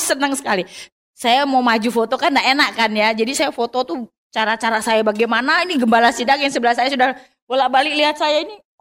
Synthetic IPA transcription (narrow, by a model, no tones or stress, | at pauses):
sənəŋsə̥kali | sajamawmad͡ʒufot̪okandaʔenaʔkanjad͡ʒadisajafot̪ot̪u | t͡ʃaɾat͡ʃaɾasajabaɡɛmanainiɡəmbalasidak̚jaŋsəbəlasajasudah | bolaʔbalɪk̚liat̪̚sajaini